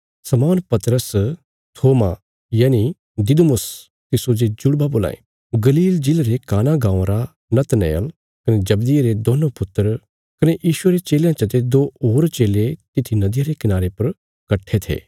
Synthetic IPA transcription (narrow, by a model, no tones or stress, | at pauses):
sɐmɔːnpɐt̪ɾəs | t̪ʰoːma | jaːni | d̪ɪd̪mʊs | t̪ɪsod͡ʒed͡ʒʊɽbaboːla̰ːḛ | ɡɐliːld͡ʒɪlɾekaːnaɡãːw̃ɾa | nɐt̪nḛːə̰l | kɐned͡ʒɐbd̪ɪjeɾed̪oːnõpʊt̪ːəɾ | kɐnejiːʃʊeɾet͡ʃeːljãt͡ʃɐt̪ed̪oːoːɾt͡ʃeːlet̪ɪt̪ʰinɐd̪ɪjaɾekɪnaːɾepɐɾ | kɐʈʰːet̪ʰḛː